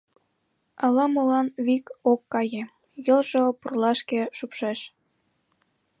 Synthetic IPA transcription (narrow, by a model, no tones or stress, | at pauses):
ɑlɑmolɑnβikokːɑje | jəlʒopurlɑʃkeʃupʃeʃ